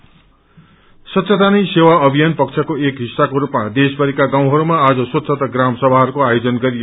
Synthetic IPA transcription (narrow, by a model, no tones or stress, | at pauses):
sʌt̪sʰʌt̪anʌjsewaʌbʱijanpʌkt͡sʰʌkoekɦisːakoɾupmad̪esbʌɾikaɡãw̃ɦʌɾumaːd͡zʌswʌt̪sʰʌt̪ʌɡramsʌbʱaɦʌɾukoajod͡zʌnɡʌɾijo